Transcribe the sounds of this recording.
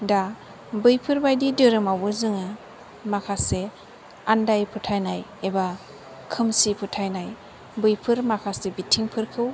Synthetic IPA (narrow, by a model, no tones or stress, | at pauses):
da | bɯjpʰɯɾbajdidɯɾɯmawbɯzɯŋɯ | makʰase | andajpʰɯtʰajnajeba | kʰɯmsipʰɯtʰajnaj | bɯjpʰɯɾmakʰasebitʰiŋpʰɯɾkʰɯw